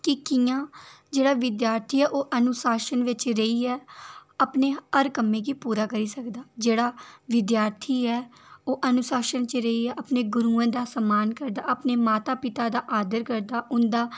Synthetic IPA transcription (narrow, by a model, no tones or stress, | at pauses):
kɪkijãːd͡ʒeːɽaːʋɪd̪jaːɾt̪ʰiːɛːʔoːʔənʊsaːʃənʋɪt͡ʃɾəiːɛːəpneːəɾkəmːẽːkiːpuːɾaːkəɾiːsəkd̪aːd͡ʒeːɽaːʋɪd̪jaːɾt̪ʰiːɛːoːʔənʊsaːʃənt͡ʃɾəiːɛːʔəpneːɡʊɾuːãːd̪aːsəmaːnkəɾd̪aːəpneːmaːt̪aːpɪt̪aːd̪aːʔaːd̪əɾkəɾd̪aːʔʊnd̪aː